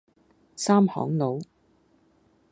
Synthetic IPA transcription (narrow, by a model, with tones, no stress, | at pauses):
saː˥mhɔ̰ː˨˥ŋno˨˥w